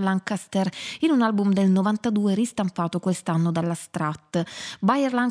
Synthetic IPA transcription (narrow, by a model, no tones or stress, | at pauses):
laŋkast̪ɛrinunalbumd̪elnovant̪ad̪uːeɾist̪ampaːt̪okwest̪anːod̪alːast̪ɾat̪ːbajɛrlaŋ